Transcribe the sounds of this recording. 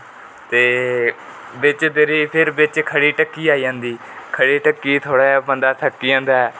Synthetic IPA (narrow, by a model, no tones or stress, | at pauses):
t̪eː | bɪt͡ʃd̪ɪɾiːpʰɪɾbɪt͡ʃkʰəɽiːʈəkːiːaːiːd͡ʒãːnd̪iː | kʰəɽiːʈəkːiːt̪ʰoːɽaːjabənd̪aːt̪ʰəkːiːãːnd̪aːɛː